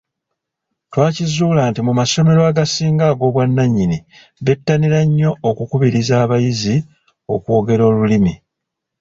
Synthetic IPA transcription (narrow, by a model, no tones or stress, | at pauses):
twaːcizuːlaːntimumaso̞me̞ɾoaɡasiːŋɡaːɡo̞ːβwanːaɲːini | βe̞tːaniɾaɲːo̞ːkukuβiɾizaːβajizi | o̞̰kwo̞ːɡe̞ɾo̞ːlulimi